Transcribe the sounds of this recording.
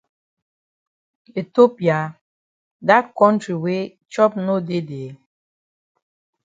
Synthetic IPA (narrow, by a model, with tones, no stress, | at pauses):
e˨to˦pja˨ | da˦t̚kɔ˦ntɾi˨we˦ | t͡ʃɔ˦p̚no˦de˦de˨